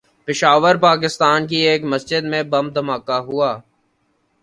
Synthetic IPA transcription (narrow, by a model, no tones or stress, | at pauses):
pɪʃaːʋəɾpaːk̬ɪst̪aːnk̬ieːkmɐsd͡ʒɪd̪mẽbɐm̚d̪ʱɐmaːkaɦʊaː